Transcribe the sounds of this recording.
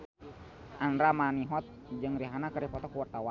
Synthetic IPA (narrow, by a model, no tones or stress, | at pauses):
ʔanɾamaniɦɔt̪̚ | d͡ʒɨŋɾiɦanakərɾipɔt̪ɔkuwart̪awa